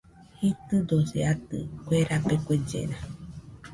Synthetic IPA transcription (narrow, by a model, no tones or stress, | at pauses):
hit̪ɨd̪oseat̪ɨ̰kʷeɾapekʷed͡ʒḛɾa